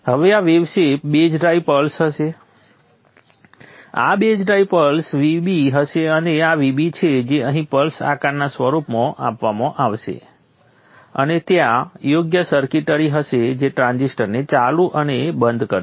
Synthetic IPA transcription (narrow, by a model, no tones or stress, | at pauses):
ɦəʋeaʋebʃepbed͡ʒɖɾaipəlsɦəʃe | a̰bed͡ʒɖɾaipəlsʋibiɦəʃeəneaʋibit͡ʃʰed͡ʒeəɦĩpəlsa̰kannːasʋəɾupmãʔapʋamãʔaʋʃḛ | ə̰net̪jãjoɡjəsəɾkiʈəɾiɦəʃed͡ʒeʈɾãnzisʈəɾnet͡ʃalũʔənebənd̪kəɾ